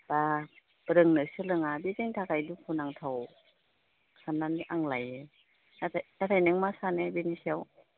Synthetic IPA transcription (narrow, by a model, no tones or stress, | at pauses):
ba | ɾɯŋnɯsɯlɯŋabizeŋtʰakajdupʰunaŋtʰaw | sananiʔaŋlajɯ | natʰajnatʰajnɯŋmasanebenisɛw